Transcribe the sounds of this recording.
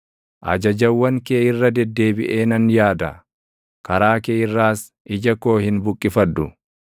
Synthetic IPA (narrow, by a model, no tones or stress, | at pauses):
ʔɐ̰d͡ʒɐd͡ʒɐwːɐŋkeːɪrːɐd̪ɛd̪ːe̞ːbɪʔe̞ːnɐnjaːd̪ɐ̰ | kɐɾaːkeːɪrːaːs | ʔɪd͡ʒɐko̞ːhɪnbʊkʼːɪfɐd̪ːʊ